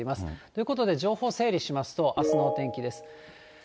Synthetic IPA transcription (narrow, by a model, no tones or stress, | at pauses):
imasɨ̥t̪oi̟ko̞t̪o̞d̪e̞ʑo̞ːho̞ːse̞ːɾʲiɕimasɨ̥t̪o̞ʔasɨno̞ːt̪ẽ̞ŋkʲid̪e̞sɨ̥